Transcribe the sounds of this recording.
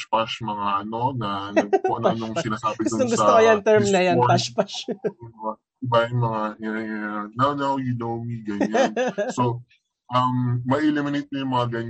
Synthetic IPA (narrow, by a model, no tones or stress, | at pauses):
paʃmɐŋaʔɐno̞nɐnɐoʔɐnnʊŋsɪnaːsaːbɪɡʊst̪oŋɡʊst̪okɐjɐnt̪ɛɹmnɐjɐnpaʃpaʃ | ɪbajʊŋmɐŋaʔɛnawnɐwjʊnowmiɡɐɲanso | ʔɐmːɐʔɛlɪmɪnejt̪̚mojʊŋmɐŋaɡɐɲ